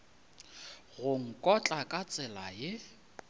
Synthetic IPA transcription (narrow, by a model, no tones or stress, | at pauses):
ɣʊŋ̩kʼɔt͡ɬʼakʼat͡sʼɪlajɪ